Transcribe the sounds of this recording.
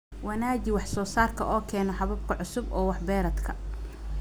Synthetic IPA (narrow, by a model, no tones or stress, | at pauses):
wɑnaːd͡ʒɪwɑħsɔːsaːrkʰɐʔɔːkʰɛːnɔħɑβɐb̚kʰɐʕʊsʊbɔːwɑħbɛːɾɐd̪kʰɐ